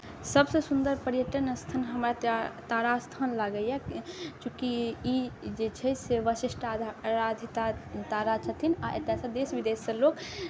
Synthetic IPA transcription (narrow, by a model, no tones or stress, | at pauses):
səbsə̃sund̪əɾpəɾjəʈənst̪ʰanɦəmɾat̪aɾast̪ʰanlaɡəjat͡ʃũkiid͡ʒet͡ʃʰɛseʋəsiʃʈʰaɾad̪ʱit̪at̪aɾat͡ʃʰət̪ʰinaʔet̪ːesə̃d̪esbid̪esːə̃lok